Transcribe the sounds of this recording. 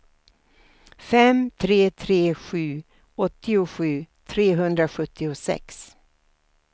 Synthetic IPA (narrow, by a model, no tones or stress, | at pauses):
fɛmt̪ʰɾeːt̪ʰɾeːɧʉ̟ː | ɔt̪ːɪʊɧʉ̟ːt̪ʰɾeːɦɵnd̪ɾaɧɵt̪ʰːɪʊsɛ̰ks